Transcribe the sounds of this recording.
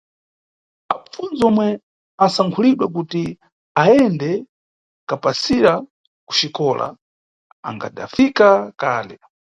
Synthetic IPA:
afund͡zɔmwɛ | asaŋkʰuliɗwak̬uti | aɛndɛ | kapasiɾa | ku̥t͡ʃikɔla̰ | a̰ŋɡa̰da̰fikakaːlɛ

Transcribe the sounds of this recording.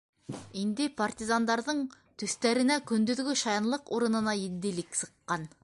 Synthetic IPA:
ind̪ɪpʰɑɾt̪izɑnd̪ɑɾd̪ɤɴ | t̪ʰyst̪æɾɪnækʲʰɵnd̪yðɡʲɪʃɑjɑnlˠəqoɾənənɑjed̪ːɪlɪkʲsə̥qːɑn

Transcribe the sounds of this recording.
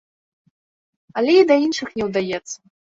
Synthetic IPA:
ɐlʲɛid̪ɐinʂɨxnʲɛwd̪ajɛt̪sːɐ

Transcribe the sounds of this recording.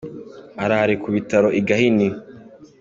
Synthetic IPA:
aɾahaɾikuβitaɾo̞ʔiɡahini

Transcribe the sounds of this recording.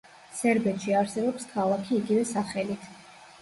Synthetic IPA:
sɛɾbɛt̪ʰʃiaɾsɛbɔpskʰalˠakʰiːɡivɛsaχɛlit̪ʰ

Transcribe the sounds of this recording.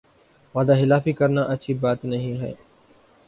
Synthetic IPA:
ʋaːd̪aːɦɪlaːfiːkəɾnaːʔət͡ʃʰiːbaːt̪nəɦĩːɦɛ̰ː

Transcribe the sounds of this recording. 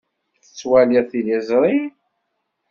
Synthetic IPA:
θə̥t͡sːwæliθijizˤɾˤi

